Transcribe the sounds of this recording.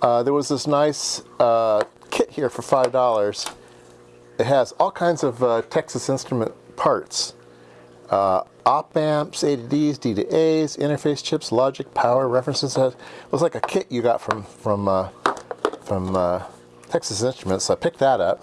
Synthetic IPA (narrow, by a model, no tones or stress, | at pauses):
ʌðə˞wʌzðɪsnaɪsʌ | kʰɪʔ̚hiɹfə˞faɪvdɔlˠə˞z̥ | ɨt̚ɦɨzɔlˠkʰãɪ̃ndzʌvʌtʰɛksɨsɪ̃nstɹ̥əmɨ̰̃npʰɑɹts | ʌ | ɑp̚b̥æ̃mpseɪɾidizdiɾḭʔeɪzɪ̰̃ɾ̃ə˞feɪst͡ʃʰɪpslɑd͡ʒɨk̚pʰaʊə˞ɹɛfɹɨ̃nsɨzɨzwʌzlaɪkɨkʰɪʔɨɡɑ̰tfɹʌ̃ɱfɹʌ̃mʌ | fɹʌ̃mʌ | tʰɛksɨsɪ̃nstɹ̥əmɨ̃ntsoʊaɪpʰɪk̚ðɨɾʌp̚